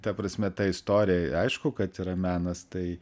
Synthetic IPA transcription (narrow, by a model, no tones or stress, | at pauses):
t̪ɐpɾɐsʲmʲɛt̪ɐɪst̪oːɾʲɪjɛɐɪʃkʊkɐt̪iːɾɐmʲæːnɐst̪ɐɪ